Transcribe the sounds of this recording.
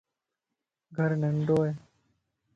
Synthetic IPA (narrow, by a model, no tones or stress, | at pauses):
ɡʱəɾnəɳɖoːɦeː